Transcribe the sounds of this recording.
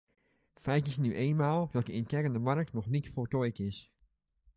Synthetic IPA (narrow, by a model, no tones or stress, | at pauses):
fɛjtɪsnyʔeːnmaːlˠdɔt̚dəɪnkɛrəndəmarək̚tnɔxnitfoltɔjkɪs